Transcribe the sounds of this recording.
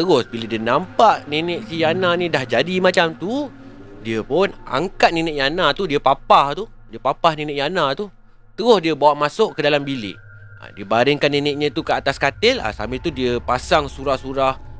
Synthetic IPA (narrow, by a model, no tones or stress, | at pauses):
t̪əɣʊsbilədiənampaʔninɪʔsijananĩdahd͡ʒadimat͡ʃamt̪u | diəpʊna̰ŋkat̪̚ninɪʔjanãt̪udiəpapaht̪u | diəpapahninɪʔjanãt̪u | t̪əɣʊsdiəbawaʔmasʊʔkədalambilɪ̰ʔ | a̰diəbaɾɪŋkanːinɪʔɲə̃t̪ukəat̪askat̪ɪla̰sa̰mit̪udiəpasaŋsuɾahsuɾah